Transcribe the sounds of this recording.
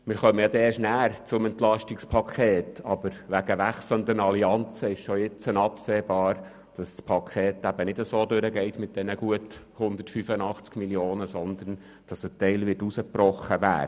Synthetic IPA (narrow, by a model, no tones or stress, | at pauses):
mɪːɾχœməjɑd̪ɛːʃnæːɾt͡sʊmɛntlɑʃtɪkspʰɑkʰeːtɑb̥əɾʋæɡəʋæχslənd̪ənɑliɑnt͡səɪʃʃɔjɪt͡sənɑpseːbɑːɾ | d̥ɑsspʰɑkʰχeːtæb̥ənɪdəsoːdøɾəɡɛɪtmɪt̚d̥ɛnəɡ̥uəthʊnd̪ətfyfənɑχt͡skmiljoːnəsɔnd̪ən | d̥ɑsətɛɪlʋɪtusəb̥ɾɔχːəʋæ̰ːɾ